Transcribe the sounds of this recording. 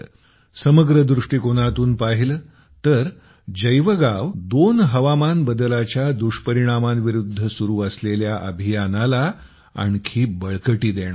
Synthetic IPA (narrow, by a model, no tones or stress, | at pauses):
səməɡɾəd̪ɾuʂʈiːkoɽ̃at̪uːnpaɦilə | t̪əɾ | d͡ʑəjʋəɡaʋd̪onɦəʋamanbəd̪əlat͡ɕjad̪uʂpəɾiɽ̃amanʋiɾud̪ʱːəsuɾuːəsleljaʔəbʱijanala | a̰ɳkʰiːbəɭkəʈiːd̪eɽ̃a